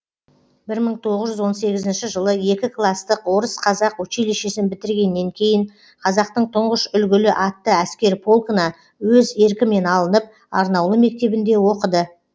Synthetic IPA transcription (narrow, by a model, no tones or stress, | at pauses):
bɪɾməɴt̪ʰo̞ʁəzʒʏzwo̞nse̞ɡʲɪzɪnʃɪʒəlˠəje̞kʲɪklˠɑst̪əqwo̞ɾəsqʰɑzɑqwɵt͡ʃeleʃesɪnbɪt̪ɪɾɡʲe̞nːe̞ŋkʲʰe̞jɪɴ | qʰɑzɑqt̪əɴt̪ʰʊɴʁəʃʏlɡʲɪlɪʔɑt̪ːəæskʲe̞ɾpʰo̞lˠkənɑ | wɵze̞ɾkʲɪme̞nɑlˠənəp̚ | ɑɾnɑwlˠəme̞k̚t̪e̞bɪnd̪e̞wo̞qəd̪ə